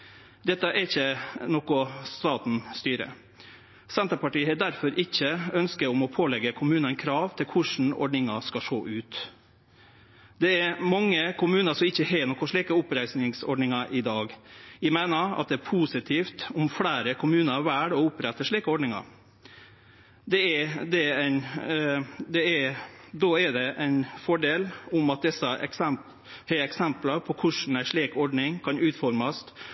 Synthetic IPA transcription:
d̪ɛt̪ːəʔɛɾɪçːənɔkʊst̪ɑːt̪n̩st̪yːɾə̰ | sɛnt̪əpɑʈiːhɛːd̪æɾfɔɾʔɪçːəœnskəʊmɔpʰoːlɛɡəkʰʊmʉːnənkʰɾɑːʋt̪ʰɪlkʰʊʂɳn̩ɔ̰ɖɳɪŋɑʂkɑʂoːʔʉːt̪ | d̪ɛæɾmɑŋːəkʰʊmʉːnəsɔmɪçːəhɛːnɔkːɔʂɭiːkəʊpɾæɪsnɪŋsɔ̰ɖɳɪŋɑʔɪd̪ɑːɡʋɪmæːnəɾɑ̰t̪̚d̪ɛæɾpʰuːsɪt̪ʰiːft̪ʊmfɽæːɾəkʰʊmʉːnəʋæːɖɔʊpːɾɛt̪ːəʂɭiːkəɔɖɳnɪŋɑ̰ɾ | d̪ɛæd̪ɛæɪn | d̪ɛæɾd̪oːæɖɛʔæɪnfɔɖeːlʊmɑt̪̚d̪ɛsəʔɛ̰ksɛm | hɛɛksɛmpləɾpʰɔkʰʊʂn̩æɪʂɭiːkɔɖɳɪŋkʰɑnʉːt̪fɔɾməst̪

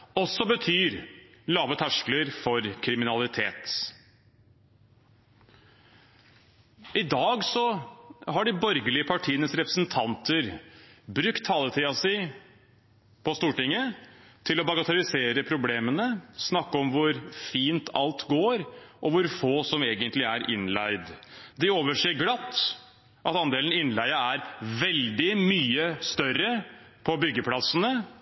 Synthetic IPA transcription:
ɔsːɔbət̪ʰyːɾlɑːʋət̪ʰæʂkləɾfɔɾkʰɾɪmɪnɑlɪt̪ʰeːt̪ | ɪd̪ɑːɡsɔhɑɖɪbɔɾɡəlɪəpʰɑʈʰiːənəsɾɛpɾəsnt̪ʰɑnt̪ʰəɾbɾʉkt̪ʰːɑːlət̪ʰiɑsɪ | pʰɔst̪uːʈɪŋːət̪ʰɪlɔbɑɡɑt̪ʰɑɾɪseːɾəpʰɾʊbleːmənəsnɑkːəɔmʋʊɾfiːnt̪ʰɑ̰lt̪ɡoːɾʔɔʋʊɾfoːsɔmeːɡənt̪lɪæɾʔɪ̰nlæɪd̪d̪ɪoːʋəʂeːɡlɑt̪ː | ʔɑt̪ɑnd̪eːlnɪnlæɪəæɾʋɛld̪ɪmyːəst̪œrːə | pʰɔbʏɡːəpʰlɑsənə

